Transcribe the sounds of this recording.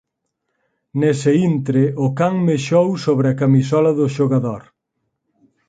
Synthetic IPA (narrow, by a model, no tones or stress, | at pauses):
nesɪint̪ɾeʔʊkaŋmeʃowsoβɾɪɐkamisɔlɐðʊʃoɣaðoɾ